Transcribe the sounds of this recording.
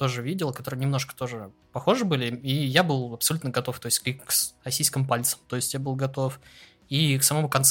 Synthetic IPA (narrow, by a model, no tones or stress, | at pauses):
t̪o̞ʐɨvʲidʲɪlˠkɐt̪o̞ɾɨjnʲɪmno̞ʂkə̥t̪o̞ʐɨ | pɐxo̞ʐɨbɨlʲɪijabɨlˠɐpsɐlʲut̪nəɡɐt̪o̞ft̪o̞jɪsʲtʲklʲikksrɐsʲijs̬kʲɪmpalʲt̪sə̥mt̪o̞ɪsʲtʲjabɨlˠɡɐt̪o̞f | iksɐmɐmukɐnt̪s